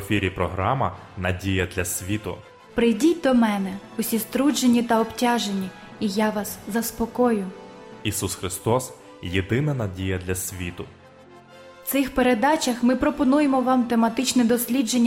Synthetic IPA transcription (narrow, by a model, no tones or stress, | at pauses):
fʲiɾʲipɾɔɦɾɑmɐnɐdʲijɐd̪lʲɐsʲʋʲit̪ʊ̰ | pɾɪjdʲit̚ʲd̪ɔmɛnɛʊsʲist̪ɾud͡ʒenʲːit̪ɐɔptʲɑʒenʲːi | ijaʋɑszɐspɔkɔjʊisusxɾɪst̪ɔs | jed̪ɪnɐnɐdʲijɐd̪lʲɐsʲʋʲit̪ʊ | wt̪sɪxpeɾe̞d̪ɑt͡ʃɐxmɪpɾɔpɔnujemɔʋɑmt̪emɐt̪ɪt͡ʃnɛd̪ɔsʲlʲid͡ʒenʲː